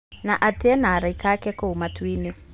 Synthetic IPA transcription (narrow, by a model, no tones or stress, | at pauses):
naʔatɛnaɾaikakɛkoɦumatwini